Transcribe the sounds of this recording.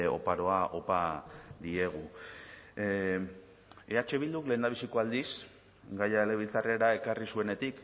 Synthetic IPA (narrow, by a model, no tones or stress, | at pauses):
o̞̰paɾo̞aʔo̞pad̪ie̞ɣ̞u | e̞at͡ʃe̞βild̪ukle̞nd̪aβisiko̞ald̪is | ɡajaeleβilt͡sare̞ɾae̞karisue̞ne̞t̪ik